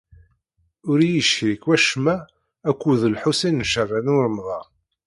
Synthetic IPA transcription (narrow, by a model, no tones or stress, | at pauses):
ʊɾijəʃçɾikwæʃmæː | kʷːuðəlħusinnʃərˤːænuɾmðˤɑ